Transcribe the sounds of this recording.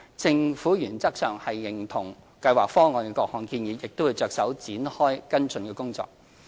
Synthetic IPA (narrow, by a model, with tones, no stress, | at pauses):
t͡sɪ˧ŋfuː˨˥jyː˨˩nt͡sɐ˥k̚sœː˨˩ŋhɐ˨jːɪ˨˩ŋt̪ʰʊ˨˩ŋ | kɐ˧jwaː˨˩k̚fɔː˥ŋɔː˨˧nkɛ˧kɔː˧k̚hɔː˨˧nkiː˧njiː˨˧jɪ˨k̚t̪o˥wːu˨˧jt͡ʃœː˧k̚sɐ˨˥wt͡siː˨˥nhɔː˥jkɐ˥nt͡sɵ˨˧nkɛː˧kʊ˥ŋt͡sɔ̰ː˨˧k̚